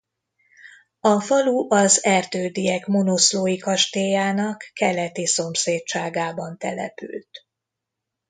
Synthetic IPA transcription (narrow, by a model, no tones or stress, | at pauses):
ɒfɒluʔɒzɛrt̪øːd̪ijɛkmo̞nosloːjikɒʃt̪eːjaːnɒkːɛlɛt̪iso̞mseːt̚t͡ʃaːɡaːbɒnt̪ɛ̰lɛ̰py̰lt̪